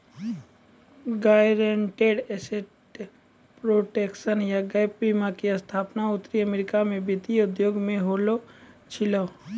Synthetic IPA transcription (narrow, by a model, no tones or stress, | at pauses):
ɡaːɾeɳʈeːɖɛːseʈ | pɾoːʈeːkʃənjaɡajpɾimakiəst̪ʰaːpnaʊt̪ːɾiəmeːɾɪkamẽbɪt̪iʊd̪joːɡmẽɦoːlo | t͡ʃʰɪlə